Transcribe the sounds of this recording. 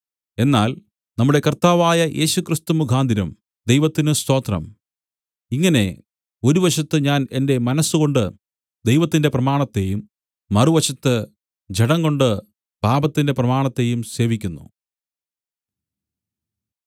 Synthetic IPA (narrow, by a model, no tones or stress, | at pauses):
e̞nːaːl | nɐmːuɽe̞kɐrt̪aːʋaːjɐʔe̞̰ːɕukrist̪umukʰaːnd̪ʱiɾɐm | d̪ejʋɐt̪ːinɨst̪o̞ːt̪rɐ̰m | iŋːɐne̞ | o̞ɾuʋɐɕɐt̪ːɨɲaːne̞nde̞mɐnɐsːuɣo̞ɳɖɨ | d̪ejʋɐt̪ːinde̞prɐmaːɳɐt̪ːe̞jumː | ɐruʋɐɕɐt̪ːɨ | d͡ʑeɽɐŋɡo̞ɳɖɨ | b̥aːbɐt̪ːinde̞prɐmaːɳɐt̪ːe̞jumse̞ːʋikʲːunːṵ